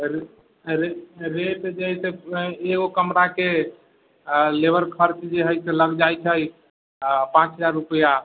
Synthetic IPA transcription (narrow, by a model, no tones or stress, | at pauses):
ɾ | ɾeɾet̪d͡ʒəɦiseeɡokəmɾake | lebəɾkʰəɾt͡ʃd͡ʒeɦəjseləɡd͡ʒajt͡ʃʰəj | pãt͡ʃɦəd͡ʒaɾːupəja